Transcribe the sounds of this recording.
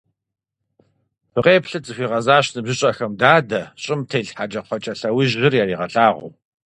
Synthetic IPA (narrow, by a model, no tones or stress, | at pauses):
pʰɨqʼeːpɬɨt͡sʼɨxʷiːʁɐzaːɕnɨbʑɪɕʼɐxɐmdaːdɐɕʼɪmtʰeːɮħad͡ʒɐqʷɔt͡ʃʼɐɬɐwiʒːɪrjaːɾiːʁɐɬʼaːʁʊ̰w